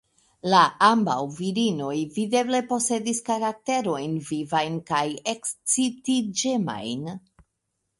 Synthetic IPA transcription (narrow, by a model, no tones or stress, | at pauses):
laamba̰wviɾino̞jvide̞ble̞po̞se̞diskaɾak̚te̞ɾo̞jnvivajnkajekst͡sitid͡ʒema̰jn